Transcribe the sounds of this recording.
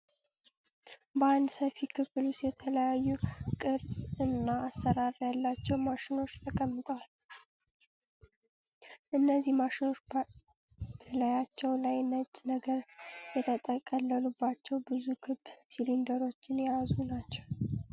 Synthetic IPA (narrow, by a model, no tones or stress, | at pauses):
bəand̪səfikʰɨflʊst̪jɛt̪ʰələjajːukʼɨɾsʼɨnːaːsːəɾaɾjalːat͡ʃːɛwmaʃɪno̞t͡ʃːt̪ʰəkʼəmːɨt̪ʼwal | ʔɨnːəzːihmaʃɪno̞t͡ʃː | b̥əlajat͡ʃːɛwlajnət͡ʃʼːnəɡəɾjɛt̪ʰət̪ʼəkʼəlːəlubːat͡ʃːɛwbɨzukʰɨbsilind̪əɾo̞t͡ʃːɪnjazunat͡ʃːɛw